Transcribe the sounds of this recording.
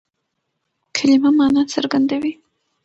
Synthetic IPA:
kʰalimamɑnɑt͡saɾɡand̪awi

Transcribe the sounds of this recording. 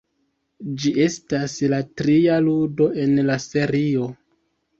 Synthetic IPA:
d͡ʒie̞staslatɾialudo̞ʔe̞nlase̞ɾio̞

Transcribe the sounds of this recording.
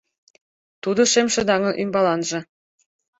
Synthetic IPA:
t̪ud̪ŏʃemʃɤ̆d̪ɑŋɤ̆nʔymbɑlɑnʒɤ̆

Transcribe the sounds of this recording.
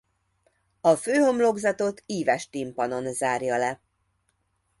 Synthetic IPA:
ɒføːho̞mlo̞ɡzɒt̪o̞t̪ʰiːvɛʃt̪impɒno̞nzaːrjɒlɛ

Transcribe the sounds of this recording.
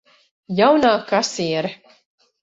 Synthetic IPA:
jawnaːkasiɛɾ

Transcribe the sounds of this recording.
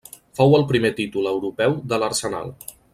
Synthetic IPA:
fowəlˠpɾimet̪it̪uləwɾupɛwd̪ələɾsəna̰lˠ

